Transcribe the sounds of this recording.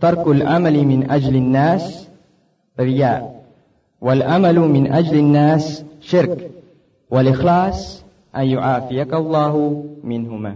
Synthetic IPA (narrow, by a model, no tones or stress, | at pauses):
t̪ɑɾˤkalʕa̰malmɪnʔad͡ʒlanːaːs | ɾɪjaːʔ | walʕamalmɪnʔad͡ʒlanːaːsʃɪɾk | walʔɪxlɑːsˤ | ʔanjʊʕaːfɪjakalˤːɑːhmɪnhʊmaː